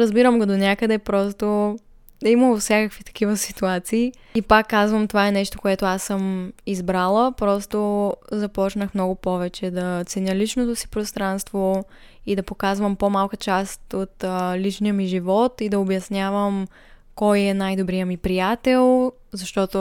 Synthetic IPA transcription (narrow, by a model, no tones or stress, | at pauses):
ɾəzbiɾəmɡod̪onʲakəd̪ɛpɾɔst̪o | ɛiməlˠfsʲjakəkvit̪ɐ̥k̟ivəsit̪uat̪siː | ipakːazvəmt̪ovaɛnɛʃt̪o̥koɛt̪oasːəmizbɾalˠəpɾɔst̪ozɐpɔt͡ʃnəxmnɔɡopɔvɛt͡ʃɛd̪ɐt̪sɛnʲəlit͡ʃnot̪osi̥pɾost̪ɾanst̪vo | id̪ɐpokazvəmpomalˠkət͡ʃast̪ot̪lit͡ʃnijəmiʒivɔt̪id̪ɐobjɐsnʲavəm | kɔjɛnajd̪obɾijəmipɾijat̪ɛlˠ | zɐʃt̪ɔt̪o